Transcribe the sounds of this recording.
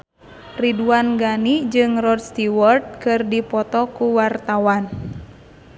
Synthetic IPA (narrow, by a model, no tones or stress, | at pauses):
riduanɡanid͡ʒɨŋrɔd̚st̪iwɔrt̪̚kɨrdipɔt̪ɔkuwart̪awan